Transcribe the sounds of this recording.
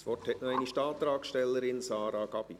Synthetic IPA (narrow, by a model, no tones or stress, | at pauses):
sʋɔrthɛʔnɔɛɪniʃtɑːt̪̚dɾɑːksʃtɛlːəɾɪnsɑːɾɑɡ̥ɑb̥i